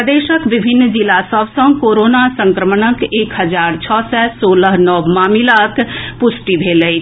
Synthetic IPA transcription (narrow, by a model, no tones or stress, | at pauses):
əd̪eːʃəkʋɪbʱɪnːd͡ʒɪlasəbsə̃koːɾoːnasə̃ŋkɾəmənəkeːkɦəd͡ʒaːɾt͡ʃʰɔːsɛsoːləɦnəʋmaːmilakʰpʊsʈibʱeːləi